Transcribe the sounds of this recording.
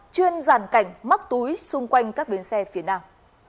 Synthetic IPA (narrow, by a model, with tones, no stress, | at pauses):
t͡ɕwi˧ənzaː˧˩nka˧˩jŋ̟ma˦˥k̚t̪u˨˦jsʊ˧ŋ͡mkwa˧jŋ̟kaː˦˥k̚ɓi˨˦ənsɛ˧fi˨˦ənaː˧m